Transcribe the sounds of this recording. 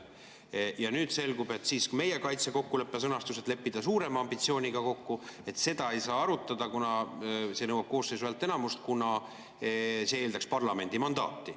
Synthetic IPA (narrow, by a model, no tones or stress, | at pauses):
jɑnyːd̪̥se̞lɡ̥ube̞t̪ːˑsiːskme̞jekɑjt̪seko̞kːule̞pːe̞s̬ɤnɑst̪uset̪le̞pːid̪̥ɑsuːɾe̞mɑɑmbit̪sio̞ːnʲiɡ̥ɑko̞kːue̞t̪ːse̞d̪̥ɑe̞jsɑːɑɾut̪ːˑɑd̪̥ɑkunɑse̞nɤwɑb̥ko̞ːsːesyælt̪ːˑe̞nɑmust̪̚kunɑ | see̞ːld̪ɑkspɑrlɑme̞nd̪imɑnd̪̥ɑ̰ːt̪ːˑi